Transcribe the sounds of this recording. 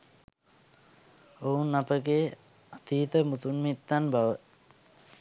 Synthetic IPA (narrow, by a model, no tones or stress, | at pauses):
ounːapəɡeː | at̪iːt̪əmut̪unmit̪ːanbaʋə